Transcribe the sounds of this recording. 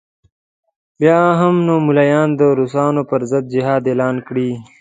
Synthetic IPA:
bjaːɦəmnoːmulajaːnd̪əɾusɑːnopəɾzəd̪̚d͡ʒiɦaːd̪eːlaːnkɽiː

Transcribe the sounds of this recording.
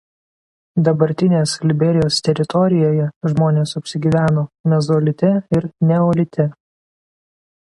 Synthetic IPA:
d̪ɐbɐɾʲt̪ʲɪnʲeːslʲɪbʲɛɾʲɪjoːst̪ʲɛɾʲɪt̪ʰɔɾʲɪjoːjɛʒmoːnʲeːsɐpʲsʲɪɡʲiːʋʲæːnoːmʲɛzɔːlʲɪt̪ʲɛɪɾnʲɛɔːlʲɪt̪ʲɛ

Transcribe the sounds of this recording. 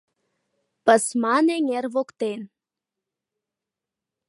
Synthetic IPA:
pə̆smɑneŋerβokt̪en

